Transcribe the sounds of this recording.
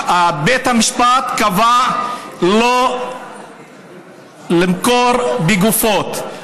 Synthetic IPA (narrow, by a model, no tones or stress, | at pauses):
abet̪hamiʃpat̪kava | lo | limkoɾbeɡufot̪